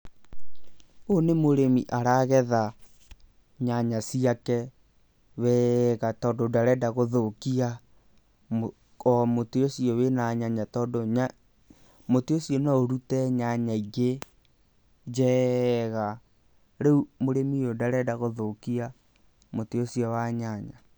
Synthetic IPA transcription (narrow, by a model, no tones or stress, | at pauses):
onemoɾemiʔaɾaɣɛða | ɲaɲasiakɛ | wɛɣatɔndodaɾɛdaɣoðokia | kɔmoteosiɔwenaɲaɲatɔdoa | moteosiɔnaoɾutɛɲaɲaiɣe | d͡ʒɛɣa | ɾeumoɾemijodaɾɛdaɣoðokia | moteosiɔwaɲaɲa